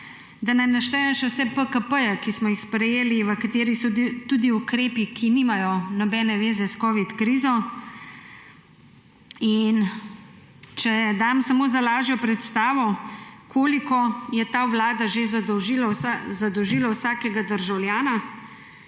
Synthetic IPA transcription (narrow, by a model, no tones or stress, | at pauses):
d̪anajnaʃt̪ɛjɛʃɛwsɛpəkəpəjɛkismɔjixspɾɛjeːliʋəkat̪eːɾisɔd̪it̪uːd̪iukɾeːpikʰiniːmajɔnɔbɛːnɛʋeːzɛskɔːʋit̪kɾizɔ | in | t͡ʃɛjɛd̪amsamoːzalaːʒjɔpɾɛt̪st̪aːʋɔkʰoːlikɔjɛt̪aʋlaːd̪aʒezad̪ɔwʒilasazad̪ɔwʒiːlawsaːkɛɡad̪əɾʒawlʲjaːna